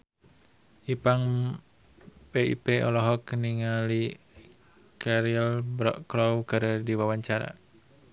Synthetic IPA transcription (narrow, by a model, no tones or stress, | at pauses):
ipaŋ | peḭpeɔ̰lɔɦɔkniŋali | kaɾilbɾɔʔkɾɔwkɨɾdiwawaɲt͡ʃaɾa̰